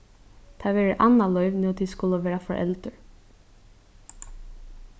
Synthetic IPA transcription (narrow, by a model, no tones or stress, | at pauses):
t̪ʰɑːʋeːɾəʔɑnɑlœʏʋnut̪ʰiːskʊləʋeːɾɑfɔʔɛ̰ld̪əɹ